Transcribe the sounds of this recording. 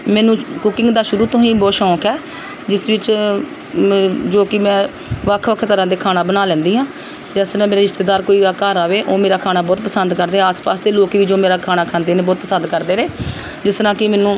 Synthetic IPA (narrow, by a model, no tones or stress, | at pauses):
mɛ̃ːnũːkʊkɪ̃ŋɡd̪aːʃʊɾuːt̪õːɦĩːbɔːʃɔ̃ːkʰɛː | d͡ʒɪsʋɪt͡ʃ | d͡ʒoːkɪmɛ̃ː | ʋəkʰːʋəkʰt̪əɾãːd̪eːkʰaːnãːbənaːlɛ̃ːnd̪iːɦãː | d͡ʒɛst̪əɾãːmeːɾeːɾɪʃt̪eːd̪aːɾkoːiːakaːɾaːʋeːʔoːmeːɾaːkʰaːnaːbɔːt̪pəsənd̪kəɾd̪eːɛaːspaːsd̪eːloːkʋiːd͡ʒoːmeːɾaːkʰaːnaːkʰaːnd̪eːnẽːbɔːt̪̚pəsə̃nd̪kəɾd̪eːɾeː | d͡ʒɪst̪ɾãːkɪmɛːnũː